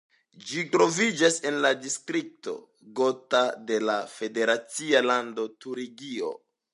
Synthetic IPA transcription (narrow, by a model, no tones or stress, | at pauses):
d͡ʒitɾo̞vid͡ʒase̞nladistɾik̚to̞̰ | ɡo̞tade̞lafe̞de̞ɾat͡sialando̞tuɾiɡio̞̰